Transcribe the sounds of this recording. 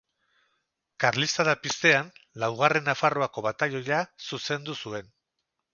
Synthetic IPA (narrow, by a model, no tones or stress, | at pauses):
kaɾlist̪aðapist̪e̞anlawɣ̞are̞nːafaro̞ako̞βat̪ajo̞jasuse̞nd̪usue̞n